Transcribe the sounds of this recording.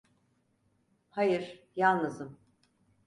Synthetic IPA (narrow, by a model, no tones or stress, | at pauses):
hajɯɾ̥jalˠnɯzɯm